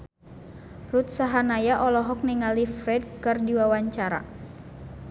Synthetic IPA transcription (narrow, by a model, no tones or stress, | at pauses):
rut̪saɦanajaʔɔlɔɦɔk̚niŋalifɾɛd̚kɨrdiwawaɲt͡ʃaɾa̰